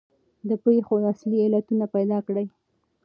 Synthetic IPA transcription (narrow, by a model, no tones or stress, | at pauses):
d̪əpɾexoasliɪlat̪unapajd̪ɑkɽəj